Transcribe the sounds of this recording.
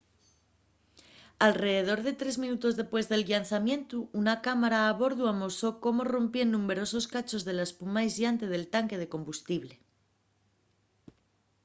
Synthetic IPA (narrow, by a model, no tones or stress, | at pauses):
alre̞ðe̞ð̞o̞ɾð̞e̞t̪ɾe̞zmĩnut̪o̞zðe̞pwe̞zðe̞lʝanθamjẽ̞nt̪uunakamaɾaːβo̞ɾðuamo̞so̞ko̞mo̞ro̞mpje̞nnũme̞ɾo̞so̞skat͡ʃo̞zðe̞laespumajzjant̪e̞ð̞e̞lt̪aŋke̞ð̞e̞ko̞mbust̪iβle̞